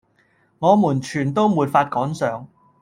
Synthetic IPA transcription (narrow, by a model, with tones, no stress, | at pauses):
ŋɔː˨˧muː˨˩nt͡ʃʰyː˨˩nt̪o˥wmuː˨˩t̚faː˧t̚kɔː˨˥nsœː˨˥ŋ